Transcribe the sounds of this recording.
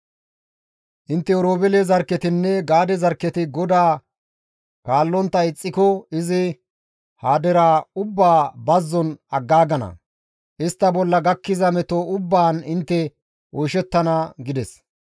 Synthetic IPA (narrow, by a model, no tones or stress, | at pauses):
ʔɪnt̪ːɛɔɾoːbɛlezɐɾkːɛt̪ɪnːɛɡaːd̪ɛzɐɾkːɛt̪ɪɡɔd̪aː | kaːlːɔnt̪ːɐɪt͡sʼːɪkɔɪzɪ | haːd̪ɛɾaːʊbːaːbɐzːɔnɐɡːaːɡɐnɐ̰ | ʔɪst̪ːɐbɔlːɐɡɐkːɪzɐmɛt̪oʊbːaːnɪnt̪ːɛ | ʔoːʃɛt̪ːɐnɐɡɪd̪ɛs